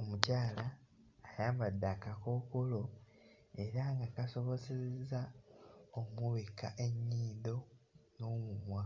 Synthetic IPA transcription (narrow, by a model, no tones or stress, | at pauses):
omucaːlaːjaːmbadːakako̞ːkolo̞ | e̞ɾaŋɡakaso̞βo̞zeza | omuβekaʔe̞ɲːiːdo̞no̞ːmumwa